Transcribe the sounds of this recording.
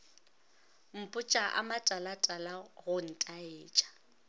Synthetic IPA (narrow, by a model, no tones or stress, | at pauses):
m̩pʼʊt͡ʃʼaʔa̰matʼalatʼalaɣʊn̩tʼaeːt͡ʃʼḁ